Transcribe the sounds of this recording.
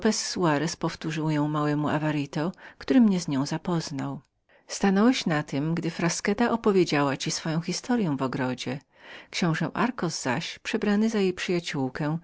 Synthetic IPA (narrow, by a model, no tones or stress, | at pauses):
pɛsːuaɾɛspɔft̪uʐɘwjɔ̃w̃mawɛmuʔavaɾit̪ɔkt̪uɾɘmɲɛzɲɔ̃w̃zapɔznaw | st̪anɔwɛɕnat̪ɘmɡd̪ɘfɾaskɛt̪aʔɔpɔvʲjed͡ʑawat͡ɕisfɔjɔ̃w̃xʲist̪ʰɔɾjɛ̃w̃vɔɡɾɔd͡ʑɛ | kɕɔ̃w̃ʐɛwʔaɾkɔzz̥a̰ɕpʂɛbɾanɘzajejpʂɘjat͡ɕuwkɛ̃